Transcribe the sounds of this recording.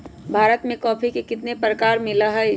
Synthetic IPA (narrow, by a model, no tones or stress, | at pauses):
bʱaːɾət̪mẽkɔːpʰikekɪt̪nepɾəkaːɾmɪlaɦɛ